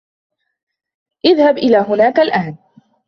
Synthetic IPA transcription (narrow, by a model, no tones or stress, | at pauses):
ʔɪðhabʔɪlaːɦʊnaːkalʔaːn